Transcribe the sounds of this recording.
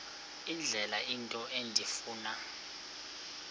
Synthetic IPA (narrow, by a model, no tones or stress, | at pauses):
ind͡ɮʱɛlaʔintʼɔʔendʱifuːna